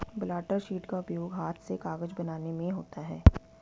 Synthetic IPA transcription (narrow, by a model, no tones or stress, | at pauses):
bɪlaːʈəɾʃiːʈkaʊpjoːɡɦaːt̪ʰsekaːɡəd͡ʒbɐnaːnemẽɦoːt̪aɦɛː